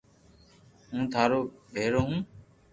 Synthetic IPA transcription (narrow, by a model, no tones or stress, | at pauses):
ɦũːt̪ʰaːɾoːɓʱeːɾoːɦũː